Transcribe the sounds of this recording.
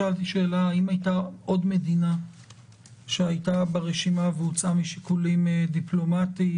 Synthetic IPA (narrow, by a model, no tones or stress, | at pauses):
alt̪iʃe̞ːlaːimajt̪aʔo̞d̪me̞d̪ina | ʃeajt̪abeʁeʃimaveut͡samiʃikulimd̪iplo̞mat̪i